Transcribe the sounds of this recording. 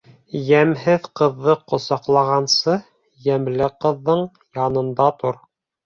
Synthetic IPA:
jæmɦɘðqɤ̆ðːɤqŏsɑqlˠɑʁɑnsɤ | jæmlɘqɤ̆ðːɤɴ | jɑnɤ̆nd̪ɑt̪uɾ

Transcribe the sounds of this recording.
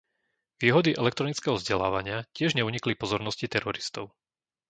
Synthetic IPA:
ʋiːɦɔd̪iʔɛlɛk̚t̪ɾɔnit͡skɛːɦɔvzɟɛla̰ːʋaɲɪacɪɛʒɲɛuɲiklipɔzɔɾnɔscit̪ɛɾɔɾist̪ɔʊ

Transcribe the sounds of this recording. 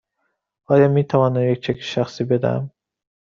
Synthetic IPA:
ɑːjɑmit̪ʰavɑːnajek̚t͡ʃʰækʲʰi̥ʃæxsibed̪æ̰m

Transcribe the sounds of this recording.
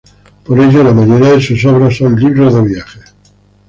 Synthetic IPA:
poɾeʝolamaʝoɾiaðesusoβ̞ɾasːõnliβɾozðeβjaχe

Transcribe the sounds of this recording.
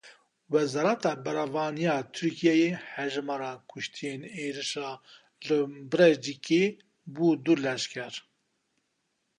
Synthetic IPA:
wɛzɑːɾɑt̪ɑːbɛɾɑvɑːnijɑːt̪ʰɨɾkʰijɛjehɛʒɨmɑɾɑːkʰʊʃt̪ʰijeneːɾɨʃɑː | lɨbɨɾɛd͡ʒike | buːd̪uɾlɛʃkʰɛɾ

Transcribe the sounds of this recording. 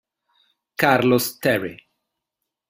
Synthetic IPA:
kaɾlost̪ɛɾe

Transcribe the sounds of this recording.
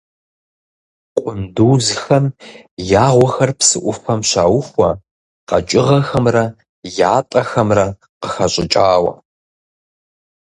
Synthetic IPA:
qʷʼʊnduːzxɐm | jaːʁʷɔxɐrpsɨʔʷʊfɐmɕaːwʊxʷɐ | qɐt͡ʃʼɪʁɐxɐmrɐ | jaːtʼɐxɐmrɐ | qəxɐɕʼɪt͡ʃʼaːwɐ̰

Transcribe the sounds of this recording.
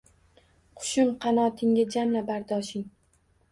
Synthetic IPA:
qʰʊ̥ʃɪmqʰɑnɒt̪ʰɪŋɡʲad͡ʒamlabaɾd̪ɒʃɪŋ

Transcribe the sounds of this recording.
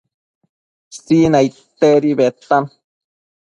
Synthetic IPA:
st͡sinaj | t̪eɾiβet̪an

